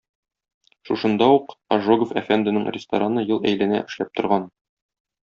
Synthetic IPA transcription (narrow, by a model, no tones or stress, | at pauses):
ʃuʃɤ̆nd̪ɑuqɐʒoɡofæfænd̪ɘ̆nɘɴrʲɪst̪ɐɾanɤjɤlˠæ̰jlɘ̆næ̰ʔɘ̆ʃlæp̚t̪ŏɾʁɑn